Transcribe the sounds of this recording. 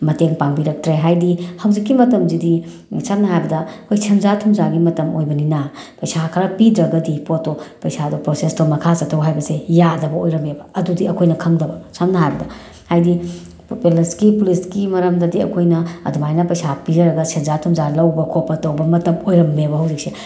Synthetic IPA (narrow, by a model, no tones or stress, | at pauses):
mɐteŋpaŋbiɾɐk̚tɾeɦajdihɐwzikːimɐtɐmzidi | samnɐɦajbɐdɐkʰojsʰenzatʰumzaɡimɐtɐmojbɐninɐpɐjsakʰɐɾɐpidɾɐɡɐdipotːopɐjsadupɾosestomɐkʰasɐtʰːɐwɦajbɐsejadɐbɐojɾɐmebɐɐdudiɐkʰojnɐkʰɐŋdɐbɐsamnɐɦajbɐdɐ | hajdi | peleskipuliskimɐɾɐmdɐdiɐ̰kʰojnɐɐ̰dumajnɐpɐjsapizɐɾɐɡɐsʰenzatʰumzalɐwbɐkʰopːɐtɐwbɐmɐtɐmojɾɐmːebɐɦɐwzik̚sʰe